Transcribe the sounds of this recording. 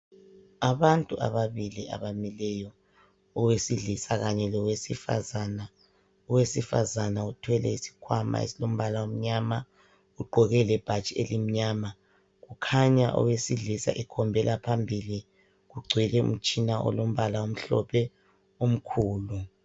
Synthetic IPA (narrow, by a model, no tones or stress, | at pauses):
aβantʼuʔa̰βaβilia̰βamilɛjɔ | ɔwesiɮisaɣaɲɛlɔwesifa̰zana | ɔwesifa̰zanautʰwɛlɛ̰isi̥kʰwama̰ḛsilom̩βalawom̩ɲama | ɣuɡ͡ǃʱɔɣɛlɛb̥ʱḁt͡ʃʼielim̩ɲama | ɣukʰaɲaʔɔ̰wesiɮisa̰ʔɛkʰɔmbʱɛlapʰambʱili | ɣuɡ͡ǀʱwilɛṵm̩t͡ʃʼinaʔɔ̰lom̩βalaom̩ɬɔ̰pʰɛ | om̩kʰuːlu